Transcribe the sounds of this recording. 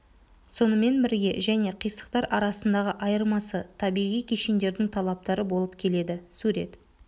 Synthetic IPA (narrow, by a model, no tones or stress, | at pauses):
so̞nəme̞nbɪɾɡʲe̞̰ʒæne̞qʰijsə̥qt̪ɑɾʔɑɾɑsənd̪ɑʁəʔɑjəɾmɑsət̪ʰɑbijʁijkʲʰeʃend̪e̞ɾd̪ɪŋt̪ʰɑlˠɑp̚t̪ɑɾəbo̞lˠəpkʲʰe̞le̞d̪ɪsuɾe̞̰t̪